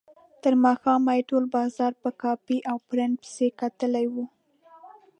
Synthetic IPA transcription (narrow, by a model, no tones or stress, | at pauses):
t̪əɾmɑxɑmajʈolbɑzɑɾpəkɑfiʔawpɾɪn̚pɪ̥sekat̪əlajwu